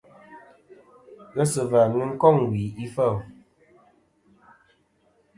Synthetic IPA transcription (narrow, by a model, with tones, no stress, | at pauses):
ɣə˦sɨ˨va˨nɨ˦ŋ̩˦kɔ˦˨ŋwi˨i˦fə˦˨